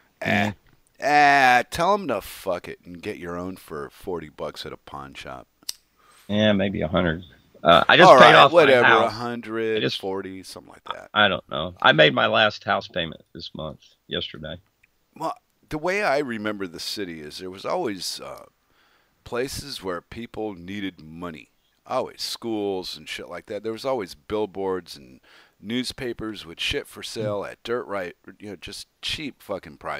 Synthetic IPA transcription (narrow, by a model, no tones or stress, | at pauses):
ʔæ | ætʰɛlˠə̃mnʌffʌkɨ̰ɾn̩ɡɛt͡ʃə˞õʊ̃nfə̰˞fɔɹɾibʌksɨɾəpʰɑ̰̃nʃɑ̰p̚ | jæmeɪbiɨ̰ɦʌ̃ndɹɨd | ʔʌ̰a̰ɪd͡ʒʌsɹeɪɾɔwʌɾɛvə˞əɦʌ̃ndɹɨd͡ʒʌsfɔɹɾisʌ̃mθɪ̃ŋla̰ɪk̚ðæ̰t̚ʔaɪɾõʊ̃nːo̰ʊʔa̰ɪmeɪd̚maɪlæst̚haʊspʰẽɪ̃mɨ̰̃nðɪsmʌ̰̃nθ | jɛstə̰˞deɪ | wɛlˠ | ðəweɪaɪɹɨmɛ̃mbə˞ðɨsɪɾiɪzðə˞wʌzɔ̰lˠwiz̥ʌ̰ | pʰl̥eɪsɨzwə˞pʰipl̩ˠniɾɨd̚mʌnḭ | ʔɔ̰lˠwḭz̥skulˠzɨ̃n̩ʃɪʔlaɪk̚ðæt̪̚ðə˞wʌzɔlˠwizbɪlˠbɔɹdzɨ̃n̩ːʉz̥pʰeɪpə˞zwɨð̥ʃɪtfə˞seɪlˠɨ̰t̚d̥ɜ˞ʔɹʔaɪt̚jɨnoʊd͡ʒʌst͡ʃʰipfʌkɪ̃ŋpʰɹ̥a̰ɪ